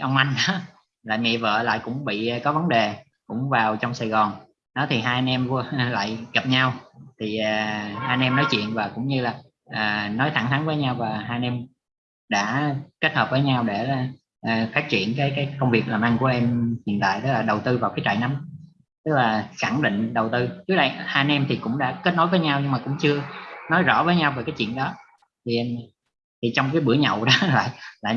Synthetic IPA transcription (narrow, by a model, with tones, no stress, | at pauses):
ʔə˧wŋ͡mʔa˧jŋ̟ɗɔ˨˦ | la̰ː˧˨jmḭ˧˨və̰ː˧˨la̰ː˧˨jkʊ̰˧˥ŋ͡mɓḭ˧˨˩kɔ˨˦və˨˦nɗe˨˩ | kʊ̰˧˥ŋ͡mvaː˨˩wt͡ɕɔ˧wŋ͡msaː˨˩jɣɔ˨˩n | ɗɔ˨˦t̪ʰi˨˩ɦaː˧ja˧nɛ˧mvu˧la̰ː˧˨jɣə˨˩p̚ɲa˧wt̪ʰi˨˩əː˨˩haː˧jnʔɛ˧mnɔ˨˦jt͡ɕwḭ˧˨ənvaː˨˩kʊ̰˧˥ŋ͡mɲɨ˧laː˨˩ | ʔəː˨˩nɔ˨˦jt̪ʰa˧˩ŋt̪ʰa˨˦nvəː˨˦jɲa˧wvaː˨˩ɦaː˧jɛ˧m | ɗa̰ː˧˥ke˦˥t̚həː˨˩p̚vəː˨˦jɲa˧wɗe˧˩la˨˩ | ʔːfaː˦˥t̚t͡ɕḭ˧˩ənkaː˨˦jkaː˨˦jkə˧wŋ͡mvi˨˩ək̚laː˨˩mʔa˧nku˧˩əʔɛ˧mhḭ˨˩ənt̪a̰ː˧˨jt̪ɨ˦˥laː˨˩ɗə˨˩wt̪ɨ˧vaː˨˩wkaː˨˦jt͡ɕa̰˧˨jna˨˦m | t̪ɨ˦˥k̚laː˨˩xa˧˩ŋɗḭ̈˧˨ŋ̟ɗə˨˩wt̪ɨ˧t͡ɕɨ˦˥k̚ɗə˧jhaː˧jnɛ˧mt̪ʰi˨˩kʊ̰˧˥ŋ͡mɗa̰ː˧˥ke˦˥t̚no˨˦jvəː˨˦jɲa˧wɲɨ˧ŋmaː˨˩kʊ̰˧˥ŋ͡mt͡ɕɨ˧ənɔ˨˦jzɔ̰˧˥vəː˨˦jɲa˧wveː˨˩kaː˨˦jt͡ɕwḭ˧˨ənɗɔ˨˦ | t̪ʰi˨˩ʔ | t̪ʰi˨˩t͡ɕɔ˧wŋ͡mkaː˨˦jɓɨ̰˧˩əɲə̰˧˨wɗɔ˨˦la̰ː˧˨jla̰ː˧˨